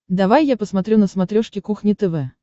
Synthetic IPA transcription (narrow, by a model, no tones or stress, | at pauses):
d̪ɐvajːapəsmɐt̪ɾʲunəsmɐt̪ɾʲoʂkʲɪkuxnʲɪt̪ɛvɛ